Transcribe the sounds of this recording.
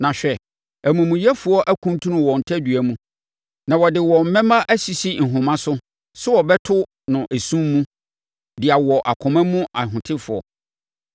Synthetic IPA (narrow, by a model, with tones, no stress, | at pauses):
nã˨ɕᶣɛ˨ | æ˨mũ˨mũ˨jɛ˦fʊ˨ɔ˦ʔæ˦kʰũ˦n˦tʰũ˦nʊ̃˨wɔ̃˨n̩˨tʰæ˦dɥæ˦mũ˦ | nã˨wɔ˨dɪ˨wɔ˨m̩˨mɛ̃˦mã˦ʔæ˦si˨si˦n̩˨ɦʊ̃˨mã˦sʊ˦ | sɛ˦wɔ˨bɛ˦tʰʊ˦ | nʊ̃˨ʔe˨sũ˦mːũ˦ | dɪ˨a˨wɔ˨ʔa˨kʰɔ̃˨mã˦mũ˦ʔa˨ɦʊ̃˨tʰɪ˦fʊ˨ɔ̰˨